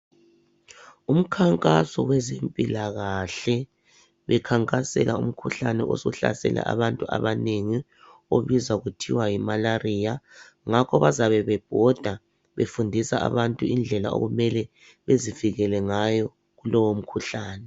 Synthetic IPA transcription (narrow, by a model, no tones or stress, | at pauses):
um̩kʰaŋkʼasɔwɛzempʼilaɣaɬɛ | βɛkʰaŋkʼasɛ̰lʔaum̩kʰuɬanɛʔo̰sɔɬa̰sɛ̰lʔa̰ʔa̰βantʼua̰βaneŋi | o̰βizauɣutʰiwajimalariːja | ŋakʰɔβazaβɛβɛb̥ʱɔd̥ʱa | βḛfundʱisaa̰βantʼuind͡ɮʱɛlao̰ɣumɛlɛ | βeziviɣɛlɛŋajɔ | ɣulɔwom̩kʰuɬaːnɛ